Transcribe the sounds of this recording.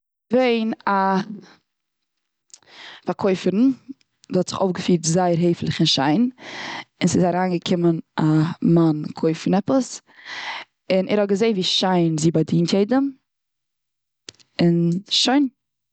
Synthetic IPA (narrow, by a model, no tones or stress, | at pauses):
veɪna | faɾkʰoɪfəɾn̩ | dhɔtz̥ɪχo̰ʊfɡəfiːɾtzaɪəɾɦeɪflˠɪχɪnʃaɪn | ɪnsɪzaɾaːnɡəkʰɪmənʔamankʰoɪfɾn̩ɛpəs | ɪnʔɛ̰ɾhɔt̚ɡəzeɪnviːʃaɪnziːbadiːntjeɪdəm | ɪnʃoɪn